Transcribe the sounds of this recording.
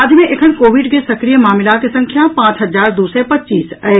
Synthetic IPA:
ad̪ʱmẽʔekʰənkoːʋɪɖkesɐkɾijəmaːmɪlakesɐ̃ŋkʰjapãːt͡ʃɦɐzaːɾd̪uːsepɐtːt͡ʃːiːsɛ

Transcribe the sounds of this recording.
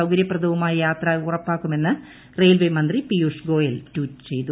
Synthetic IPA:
ɐwɡɐɾjɐprɐd̪ɐʋumaːjɐjaːt̪rɐurɐpːaːkːume̞nːɨ | rejlʋɐjmɐnd̪ripijuːʂɡo̞ːjɐltuːtːɨ̥t͡ɕe̞jt̪u

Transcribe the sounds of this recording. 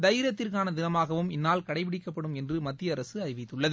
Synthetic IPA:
d̪ɐɪɾɐt̪ːɪrkaːnɐd̪ɪnɐmaːɣɐʋɯmɪnːaːlkɐɽɐɪpɪɽɪkːɐpːɐɽɯmɛndrɯmɐt̪ːɪjɐːɾɐsɯɐɾɪʋɪt̪ːɯɭːɐðɯ

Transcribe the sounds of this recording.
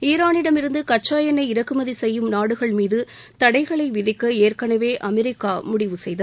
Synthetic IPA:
iːɾaːnɪɽɐmɪɾɯnd̪ɯkɐʈ̚t͡ʃːaːjɐnɐɪɪɾɐkːɯmɐðisɛjːɯmnaːɽɯɣɐɭmiːðɯ | t̪ɐɽɐɪɣɐɭɐɪʋɪðɪkːɐeːrkɐɳɐʋeːʔɐmɛɾɪkːaːmʊɽɪʋɯsɛjðɐ

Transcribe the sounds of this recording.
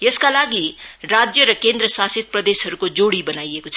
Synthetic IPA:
jeskalaɡirad͡zjʌɾʌkend̪ɾʌsasit̪̚prʌd̪esɦʌɾukod͡zoɽibʌnajekot͡sʰʌ

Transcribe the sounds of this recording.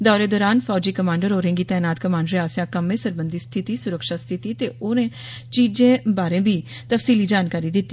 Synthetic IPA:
d̪ɔːɾeːd̪ɔːɾaːnfʰɔːd͡ʒiːkəmãːɳɖəɾoːɾẽːŋɡiːt̪ɛːnaːt̪kəmaːɳɖɾeaːsjãːkəmẽːsəɾbənd̪iːst̪ʰɪt̪iːsʊɾəkʃaːst̪ʰɪt̪iːt̪eːoːnẽː | t͡ʃiːzẽːbaːɾẽːbiː | t̪əfsiːliːd͡ʒaːnkaːɾiːd̪ɪt̪ːi

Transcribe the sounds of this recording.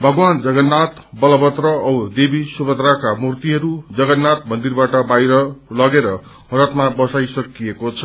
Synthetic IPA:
bʱʌɡwand͡zʌɡʌnːat̪bʌlʌbʌt̪rʌʌd̪ebisubʌd̪ɾakamurt̪iɦʌɾud͡zʌɡʌnːat̪̚mʌnd̪irbaʈʌbajɾʌlʌɡeɾʌ | ɦʌɾʌt̪mabʌsajsʌkijekot͡sʰʌ

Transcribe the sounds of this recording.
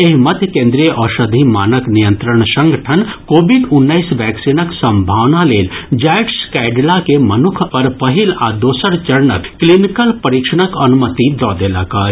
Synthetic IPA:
eɦmɐt̪ʰjəkẽːnd̪ɾijəʔɔːʃɐd̪ʱimaːnəknijə̃nt̪ɾəɳ̃sɐ̃ŋɡʱəʈʰənkoːbiɖʊnːəisʋɛːksinəksɐ̃mbʱaːʋnaleːld͡ʒaːʈskɛːɖlakemɐnʊkʰpɐɾpɐɦilaːd̪oːsəɾt͡ʃɐɾnə̰kːlinikəlpɐɾiːkʃəɽ̃əkɐnʊmət̪id̪ɔːd̪eːla̰kaː

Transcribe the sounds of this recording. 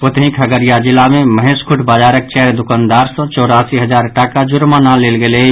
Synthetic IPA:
ot̪eɦĩkʰɐɡəɾijad͡ʒɪlamẽməɦẽskʰʊʈʰbaːd͡ʒaːɾək̚t͡ʃɛɦɾd̪ʊkãːnd̪aːɾsɔ̃t͡ʃɔːɾaːsiɦɐd͡ʒaːɾʈaːkad͡ʒʊɾmanãleːlɡele

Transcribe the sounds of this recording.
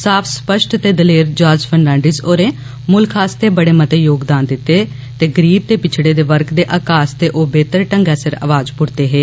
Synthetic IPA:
saːpʰspəʃʈt̪eːd̪əleːɾd͡ʒaːɾd͡ʒpʰənːãːɳɖizoːɾeː | mʊlkʰaːst̪eːbəɽeːmət̪eːjoːɡd̪aːnd̪ɪt̪ːeː | t̪eːɡəɾiːb̚t̪eːpɪt͡ʃʰɽeːd̪eːʋəɾkd̪eːʔaːkaːst̪eːʔoːbeːt̪əɾʈəŋɡɛːsəɾa̰ːʋaːd͡ʒpʊɽt̪eːɦeː

